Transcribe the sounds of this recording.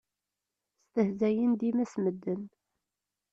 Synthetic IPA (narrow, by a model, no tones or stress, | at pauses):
st̪əhzæjənd̪imæsməd̪ːən